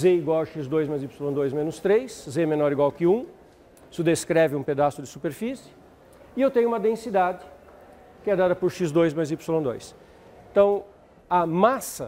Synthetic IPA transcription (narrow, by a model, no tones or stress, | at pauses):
zeiɡwawʃizd̪ojzmɐzipsɪlõd̪ojzmẽnʊst̪ɾejszemẽnɔɾiɡwawkɪũ | sʊd̪eskɾɛvɪũped̪asʊd̪ɪsupeɾfisɪ̥ | ɪewt̪ẽɲ̃ʊũmɐd̪ẽsid̪ad͡ʒɪ | kɪɛd̪ad̪ɐpʊɾʃizd̪ojzmɐjzipsɪlõd̪ojs | t̪ɐ̃w̃ | ɐmasɐ